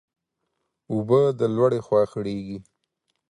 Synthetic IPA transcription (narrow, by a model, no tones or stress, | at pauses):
ʊbəd̪əlwaɽexwɑxəɽeɡi